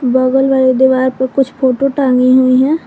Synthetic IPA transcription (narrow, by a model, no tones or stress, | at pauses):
bəɡəlʋaːɾed̪ɪʋaːɾpəkʊt͡ʃʰpʰoːʈoʈãːŋɡiɦuiɦɛ̃ː